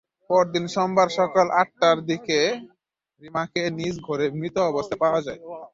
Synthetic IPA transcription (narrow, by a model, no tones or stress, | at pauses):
pɔɾd̪inʃɔmbaɾʃɔkalʔaʈːaɾd̪ike | ɾimakenid͡ʑɡʱoɾemɾit̪oɔbost̪ʰapaoad͡ʑae